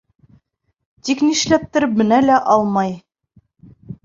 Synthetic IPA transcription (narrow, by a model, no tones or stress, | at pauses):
t̪ikniʃlæp̚t̪ɘ̆ɾɘpmɘ̆nælæʔɑlˠmɑj